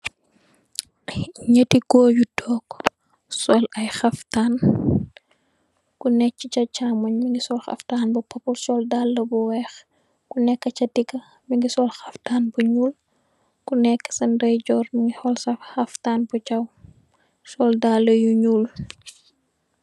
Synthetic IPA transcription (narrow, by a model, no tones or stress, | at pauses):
ɲətikɔːɟutʰɔːk | sɔlɐjxɐftaːn | kunɛcːit͡ʃɐt͡ʃaːmɐɲmiŋɡisɔlxɐ̰ftaːnbupɐpulsɔldalːɐbuwɛx | kunɛkːɐt͡ʃɐdiɡɐ | miŋɡisɔlxɐftaːnbuɲuːl | kunɛkːə̥sɐndɐjɟɔrmiŋɡihɔlsɐxɐftaːnbut͡ʃɐw | sɔldalːɐjuɲuːl